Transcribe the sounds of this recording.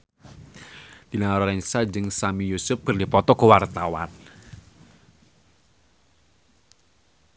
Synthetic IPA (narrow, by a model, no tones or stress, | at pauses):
d̪̥ilaaɾɔɾɛnsad͡ʒɨŋsamijusʊp̚b̥ərdipɔt̪ɔkəwart̪awa̰n